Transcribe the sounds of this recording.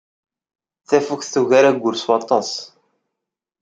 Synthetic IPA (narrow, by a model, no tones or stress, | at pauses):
θæfukθθuʝaɾæɡʷːʊɾswɑt̪ˤɑs